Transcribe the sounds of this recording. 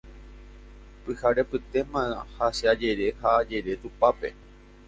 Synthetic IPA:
pɨhaɾe̞pɨt̪e̞mãhasead͡ʒe̞ɾe̞haːd͡ʒe̞ɾe̞t̪upape̞̰

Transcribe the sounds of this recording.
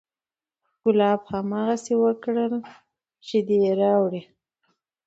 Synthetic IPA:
kʊlɑbhamɑɣasewəkɽəl | t͡ʃed̪eɾɑwɽi

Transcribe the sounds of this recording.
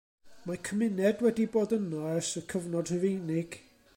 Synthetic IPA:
makʰəmɪnɛdwɛdiboːdənɔɛsəkʰəvnɔd̥həvejnɪɡ̥

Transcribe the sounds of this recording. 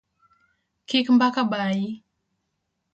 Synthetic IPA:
kikmbakabaji

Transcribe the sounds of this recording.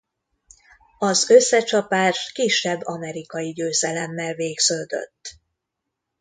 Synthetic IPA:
ɒzø̞sːɛt͡ʃɒpaːʃkiʃːɛbːɒmɛɾikɒjiɟøːzɛlɛmːɛlveːɡz̥øːd̪ø̞̰t̪ː

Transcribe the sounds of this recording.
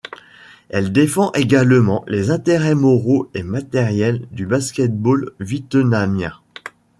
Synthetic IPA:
ɛld̪efɑ̃ʔeɡalmɑ̃lʔezɛ̃t̪eʁɛmɔʁoemat̪ɛʁjɛld̪ybaskʲɛt̪̚bolvit̪namjɛ̃

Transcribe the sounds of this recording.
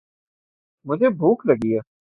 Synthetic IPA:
mʊd͡ʒʱebʱuːklɐɡijaː

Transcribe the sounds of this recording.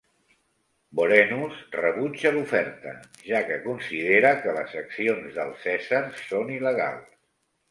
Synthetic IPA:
boɾɛnusrəβud͡ʒəlufɛɾt̪ə̰ | ʒakəkunsið̞eɾəkələsəksionzðə̰lˠsɛzərsoniləɣ̞a̰lˠs

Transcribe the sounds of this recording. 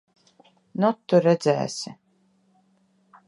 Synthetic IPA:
nut̪ːuɾɛd̪zæ̰ːsʲɪ

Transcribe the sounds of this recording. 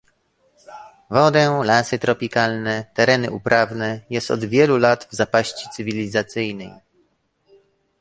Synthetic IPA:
vɔd̪ɛlasɘt̪ɾɔpʲikalnɛt̪ɛɾɛnɘ̰ʔupɾʔavnɛjɛst̪ɔ̰d̪vʲjɛlulad̪vzapaɕt͡ɕit̪sɘvʲilʲizat̪sɘjnɛ̰j

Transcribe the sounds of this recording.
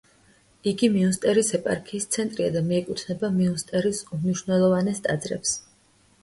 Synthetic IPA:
iɡimiunst̪ʼɛɾisɛpʼa̰ɾkʰiːst̪sʰɛnt̪ʼɾiad̪amiɛkʼut̪ʰnɛbamiunst̪ʼɛɾisumniʃwvnɛlˠɔvanɛst̪ʼad̪zɾɛ̰ps

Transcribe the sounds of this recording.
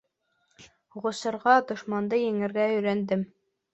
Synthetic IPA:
ʁŏsɤ̆ɾʁɑd̪ŏʃmɑnd̪ɤjɘ̆ŋɘ̆ɾɡæɵ̆jɾænd̪ɘm

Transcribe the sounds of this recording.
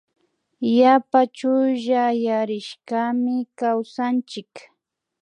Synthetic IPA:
japat͡ʃʊʒajaɾɪʃkamɪkawsant͡ʃɪk

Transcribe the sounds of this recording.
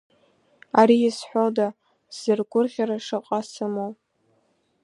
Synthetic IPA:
aɾiːsħʷoda | z̥ɨrɡʷʊrʁʲaɾaʂɨqʼasɨmowʼ

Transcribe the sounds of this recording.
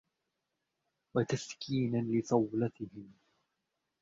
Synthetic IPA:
wat̪askʰiːnalɪsˤɑwlat̪ɪhɪm

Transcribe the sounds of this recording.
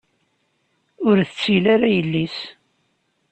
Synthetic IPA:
ʊɾθət͡sːilaɾajəlːis

